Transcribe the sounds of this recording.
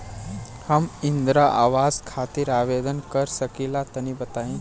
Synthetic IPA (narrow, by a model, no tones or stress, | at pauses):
həmɪnd̪ɾaʔa̰ːʋaːzkʰaːt̪iɾaːʋeːd̪ənkəɾsəkilat̪ənibət̪aːĩ